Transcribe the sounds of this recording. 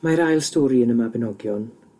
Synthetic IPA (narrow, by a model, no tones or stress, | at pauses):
maɾajlˠstoːɾiənəmabɛnɔɡjɔn